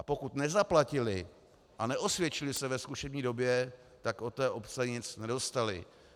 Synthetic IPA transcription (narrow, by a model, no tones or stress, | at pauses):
ʔapo̞kut̪nɛzaplacɪlɪ | ʔanɛʔo̞svjɛt͡ʃɪlɪsɛvɛskuʃɛbɲiːdo̞bjɛ | t̪akʔo̞t̪ɛːʔo̞pt͡sɛɲɪt͡snɛdo̞st̪alɪ̰